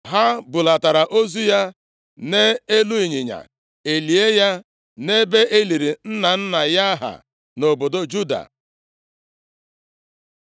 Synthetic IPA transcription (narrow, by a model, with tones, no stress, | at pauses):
ɦa˦bʊ˨la˨ta˨ɾa˨ʔo˦zu˦ja˦ | ne˦e˦lu˦i˨ɲɪ˨ɲa̰˨ | e˨li˨e˦ja˦ | ne˦be˦ʔe˦li˨ɾi˨n̩˦na˨n̩˦na˨ja˦ɦa̰˨ | no˨bo˨do˦d͡ʒu˦da̰˨